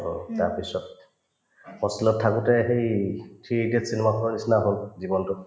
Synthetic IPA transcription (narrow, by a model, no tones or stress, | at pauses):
ɦo̰taɹpisɔt | mɔsilɔttʰːakutɛɦejtʰɹiedietsinemakʰɔnɔnisnaɦolzibɔntʊ